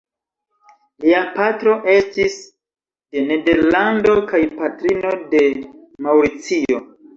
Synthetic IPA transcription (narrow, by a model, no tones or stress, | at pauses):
liapatɾo̞ʔe̞stis | de̞ne̞de̞ɾlando̞kajpatɾino̞de̞ | mawɾit͡sio̞